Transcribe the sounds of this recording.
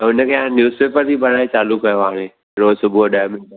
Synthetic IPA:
ʊnə̆kʰeːãnjuːzpeːpəɾt̪ʰiːbɐɾ̤aːit͡ɕaːlʊkːɐjõʋaːɽ̃eː | ɾoːsʊbʱuoɗaːjmɪ̃ɳ

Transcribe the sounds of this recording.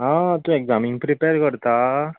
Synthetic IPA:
ɦãt̪õeɡd͡zamiŋɡpɾipeɾkəɾt̪a

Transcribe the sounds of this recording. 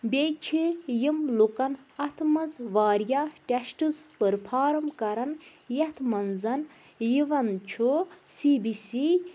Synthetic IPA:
bʲet͡ʃʰijimlukɐnɐt̪ʰmɐzʋaːɾjaʈʲesʈɨzpəɾpʰaːɾɐmkɐɾɐn | jɐt̪ʰmɐnzɐn | jiʋɐnt͡ʃʰusibisi

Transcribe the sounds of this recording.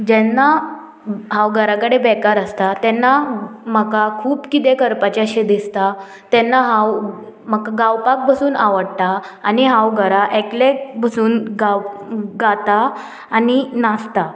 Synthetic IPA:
d͡ʑɛnːa | ɦawɡʱəɾakəɽebɛkaɾəst̪at̪ɛnːaməkakʰuːpkit̪ekəɾpat͡ɕaɕed̪ist̪a | t̪ɛnːaɦãwməkaɡawpak̚pəsuːnaʋəɽt̪aːniɦãwɡʱəɾaʔeklek̚bəsuːnɡaɡat̪aː | ninast̪a

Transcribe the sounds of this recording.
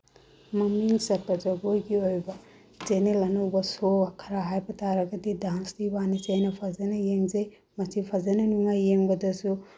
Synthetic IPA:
mɐmiŋsɐɾ̚kɐzɐɡojɡiojbɐ | zenelɐnowbɐsoakʰɐɾaɦajbɐtʰaɾɐɡɐdidanstibanizejnɐpʰazɐnɐjeŋzej | mɐsipʰazɐnɐnuŋajːeŋbɐdɐsu

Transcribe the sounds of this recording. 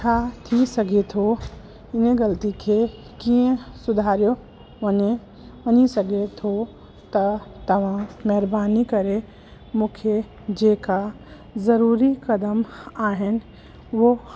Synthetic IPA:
kʰat̪ʰisɐɡet̪ʰo | ɪnẽɡɐlt̪ikʰe | kiẽsʊd̪ʱaːɾjo | ʋɐɲe | ɐnisɐɡet̪ʰo | t̪ɐt̪ɐʋ̤ãmɛɦɾbaːnikɐɾe | mʊkʰjə | d͡ʒeːka | zɐɾuːɾikɐd̪əmaːɦɪn̆ | ʋo

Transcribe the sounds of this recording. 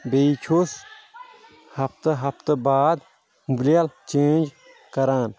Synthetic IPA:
beit͡ʃʰos | hɐpʰt̪əɦɐpʰt̪baːd̪ | mubljalt͡ʃẽːnd͡ʒ | kɐɾaːn

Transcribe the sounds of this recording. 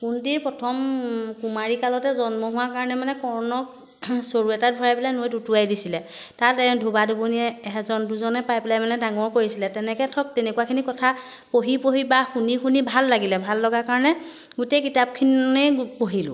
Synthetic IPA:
kundiɹpɹɔtʰɔmkumaɹikalɔtɛzɔnmɔɦʊwakaɹɔnɛmanɛkɔɹnɔk | soɹuɛtat̚bʱɔɹajbilajnoojdutuajdisilɛ | tatɛdʱubaduboniɛːɦɛzɔnduzɔnɛpajpilajmanɛdaŋɔɹkoɹisilɛtɛnɛkɛtʰɔk̚tɛnɛkuakʰinikɔtʰa | poɦipoɦibaxunixunibʱalːaɡilɛbʱalːɔɡakaɹɔnɛ | ɡutejkitap̚kʰinepoɦilʊ̰

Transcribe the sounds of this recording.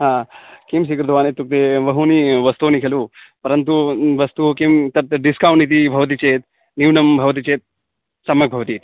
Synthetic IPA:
ɦãːkims̬ikɾd̪ʋaːnet̪ːuk̚t̪eʋɐɦuniʋɐst̪uːnikʰelu | pɐɾɐnt̪uʋɐst̪ukimt̪ɐpt̪ɐɖiskaːwɳit̪ibʱɐʋɐt̪̬it͡ʃeːt̪ | niwnɐmbʱɐʋɐt̪̬it͡ʃeːt̪̚ | sɐmjɐk̚bʱɐʋɐt̪iːt̪

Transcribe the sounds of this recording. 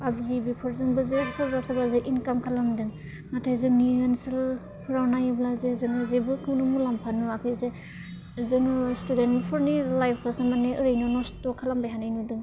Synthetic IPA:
pab̚zibipʰɯɾzɯŋbɯzebsablasabazeʔinkamkʰalaŋdɯŋ | natʰajzɯŋniɯnsɯl | pʰɯɾawnajblazezɯŋɯzebɯkʰɯwnɯmulampʰanuakʰɯjze | zɯŋɯstudenpʰɔɾnilajpʰkʰɯsamaneɯɾɯjnɔnɔstɔkʰːalambajɦanajnudɯŋ

